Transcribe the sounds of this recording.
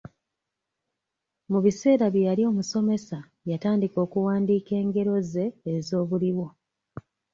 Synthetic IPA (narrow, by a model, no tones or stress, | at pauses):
muβise̞ːɾaβjejalio̞ːmuso̞me̞sa | jataːndiko̞ːkuwaːndiːke̞ːŋɡe̞ɾo̞ze̞ːzo̞ːβuliwo̞